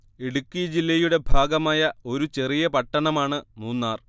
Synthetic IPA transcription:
eɽukːid͡ʑilːɐjuɽe̞bʱaːɡɐmaːjɐo̞ɾut͡ɕe̞rijɐpɐʈːɐɳɐmaːɳɨnuːnːaːr

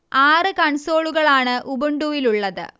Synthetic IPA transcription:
aːrɨkɐɳso̞ːɭuɣɐɭaːɳɨʔubuɳɖuːʋiluɭːɐðɨ̰

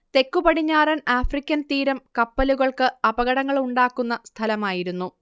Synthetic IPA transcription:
t̪e̞kːupɐɽiɲːaːrɐnaːfrikʲːɐnt̪iːɾɐmkɐpːɐluɣɐɭkɨɐbɐɣɐɽɐŋːɐɭuɳɖaːkːunːɐst̪ʰɐlɐmaːjiɾunːu

